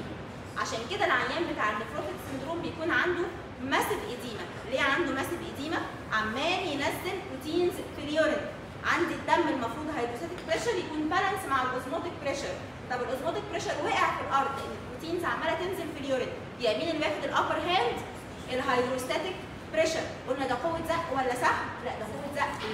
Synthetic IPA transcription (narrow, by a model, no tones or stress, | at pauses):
ʕaʃæːnked̪ælʕajːæːmbet̪aːʕʔenːefɾoːt̪ek̪send̪ɾoːmbejækuːnʕand̪u | mæsed̪ʔæd̪iːmæ | leːʕand̪omæsed̪ʔæd̪iːmæ | ʕamːæːljenæzːempɾut̪iːnzfiljoɾed̪ | ʕand̪id̪ːæmːelmɑfɾuːd̪ɦɑjd̪ɾost̪æːt̪ek̚pɾeʃɑɾjækuːnbælænsmaʕalʔozmɑːt̪ek̚pɾeʃɑɾ | t̪ˤɑbelʔozmɑːt̪ek̚pɾeʃɑɾwæːʔeʕfilʔɑɾˤd̪ˤleʔenːelpɾut̪iːnzʕamːæːlæt̪enzelfiljoɾed̪i | jæmiːnelːwæːfed̪elʔɑfɑɾɦæːnd̪ | ʔelːɦɑjd̪ɾost̪æt̪ek | pɾeʃæɾʔolnæd̪æqowːet̪zæʔʔwælːæsaħmlæʔd̪æqowːet̪zæʔ